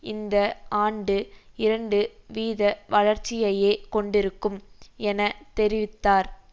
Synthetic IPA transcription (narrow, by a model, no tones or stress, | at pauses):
ɪnd̪ɐaːɳɖɯɪɾɐɳɖɯʋiːðɐʋɐɭɐɾt͡ʃːɪjɐjeːkɔɳɖɪɾɯkːɯmɛnɐt̪ɛɾɪʋɪt̪ːaːɾ